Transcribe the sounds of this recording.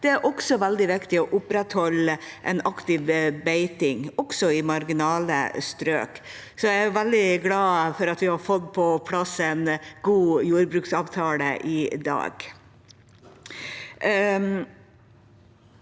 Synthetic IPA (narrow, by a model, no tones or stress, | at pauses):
d̪̥ɛæɾʔɔksɔʋæld̪ɪʋɪkt̪ɪɔʔʊpɾɛt̪hɔlːʔɛnɑkt̪ɪʋbeɪt̪ɪŋɔksɔɪmɑɾɡɪnɑːlə̰st̪ɾø̰ːk | sɔjæʋæld̪ɪɡlɑːfɔɾɑt̪ʋɪhɑɾfɔd̪pʰɔpʰlɑsɛɪnɡuːjuːɾbɾʉːksɑːʋt̪ʰɑːlə̰ʔɪd̪ɑ̰ːɡ̥